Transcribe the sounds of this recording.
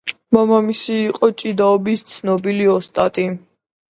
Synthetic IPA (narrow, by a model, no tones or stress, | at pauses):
mamamisiːqʼɔt͡ʃʼid̪aɔbist̪sʰnɔbiliɔst̪ʼat̪ʼi